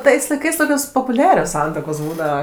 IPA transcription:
ˈtɐɪs lˠɐɪˈkɐɪs ˈtoːkʲoːs poːpʊˈlʲæːrʲoːs ˈsɐntuɔkoːs ˈbuːdɐʋɐ

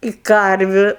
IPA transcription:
ɪ ˈkɐrʲʋʲʊ

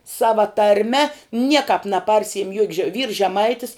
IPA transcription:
ˈsɑːʋɐ tɐrʲˈmʲɛ ˈnʲiɛkɐp nɐˈpɐrʲsʲɪɪm juɔkʲ ʒʲɛ ʋʲiːrs ʒʲɛˈmɐɪtʲɪs

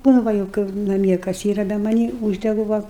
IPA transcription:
nʊ ˈʋɐ jɛʊ ˈkɐɪp nɐˈmʲiɛ kɐs ˈiːrɐ bʲɛ mɐˈnʲiː ˈuːʒʲdʲɛɡʊ ʋɐ

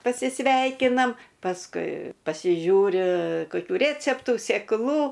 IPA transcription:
pɐsʲɪˈsʲʋʲɛɪkʲɪnɐm pɐsˈkʊɪ pɐsʲɪˈʒʲuːrʲɪ koːˈkʲuː ˈrʲeːt͡sʲɛptuː sʲeːkˈlˠuː

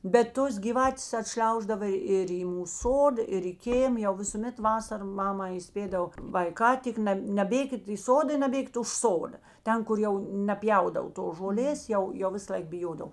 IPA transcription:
bʲɛt ˈtoːs ɡʲiːˈʋɑːtʲeːs ɐˈtʲʃʲlʲɛʊʒdɐʋɐ ɪr iː ˈmuːs ˈsoːdɐ ɪr ɪ ˈkʲeːm jɛʊ ʋʲɪsʊˈmʲɛt ˈʋɑːsɐrɐ ˈmɑːmɐ iːˈsʲpʲeːdɐw ʋɐɪˈkɑː ˈtʲɪk nʲɛˈbʲeːkʲɪt iː ˈsoːdɐ ɪ nɐˈbʲeːkʲɪt ʊʃ ˈsoːdɐ ˈtʲɛn kʊr ˈjɛʊ nʲɛˈpʲjɛʊdɐw toːs ʒoːˈlʲeːs ˈjɛʊ ˈjɛʊ ˈʋʲɪsɐlˠɐɪk bʲɪˈjoːdɐw

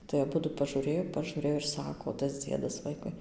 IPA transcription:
tɐɪ ɐˈbʊdʊ pɐʒuːˈrʲeːjoː pɐʒuːˈrʲeːjoː ɪr ˈsɑːkoː tɐs ˈd͡zʲiɛdɐs ˈʋɐɪkʊɪ

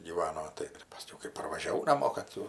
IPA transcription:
ɡʲiːˈʋɑːnoː ˈtɐɪ pɐˈsʲkʲɛʊ kɐɪ pɐrʋɐʒʲɛˈʋɐʊ nɐˈmoː kɐt ˈtuː

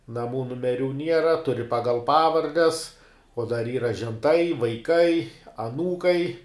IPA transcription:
nɐˈmuː nʊmʲɛˈrʲuː ˈnʲiɛrɐ tʊˈrʲɪ ˈpɑːɡɐlˠ ˈpɑːʋɐrʲdʲɛs oː dɐr ˈiːrɐ ʒʲɛnˈtɐɪ ʋɐɪˈkɐɪ ɐˈnuːkɐɪ

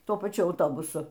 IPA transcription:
ˈtuɔ pɐˈt͡ʃʲʊ ɐʊˈtoːbʊsʊ

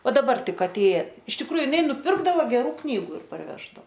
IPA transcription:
ˈʋɐ dɐˈbɐr ˈtʲɪk ɐˈtʲeːjɛ ɪʃ tʲɪkˈruːjʊ ɪˈnɐɪ nʊˈpʲɪrɡdɐʋoː ɡʲɛˈruː ˈknʲiːɡʊ ɪr pɐrʲˈʋʲæːʒdɐoː

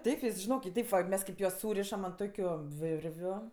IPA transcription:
ˈtʲɛɪp ʋʲɪs ʒʲɪˈnoːk ɪ ˈtʲɛɪp ʋɐ ˈmʲɛs kɐɪp ˈjuɔs ˈsuːrʲɪʃɐm ɐnt ˈtoːkʲʊ ˈʋʲɪrʲʋʲʊ

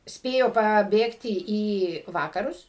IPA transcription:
ˈsʲpʲeːjoː pɐˈbʲeːktʲɪ iː ˈʋɑːkɐrʊs

